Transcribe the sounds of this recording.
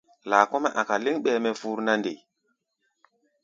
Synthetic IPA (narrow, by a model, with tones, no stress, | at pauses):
laː˨kɔ˦mɛ˦ʔa˨ka˨li˦ŋɓɛ˦mɛ˦fu˦ɾna˦nde˨